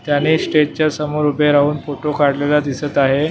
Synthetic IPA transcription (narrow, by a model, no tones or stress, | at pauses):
t̪janisʈeʈ̚t͡ɕjasəmoɾupẽɾaɦuːnfoʈokaɽlelad̪isət̪aɦe